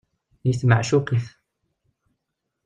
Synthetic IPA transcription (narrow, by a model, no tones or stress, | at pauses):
jəsmaʕʃukiθ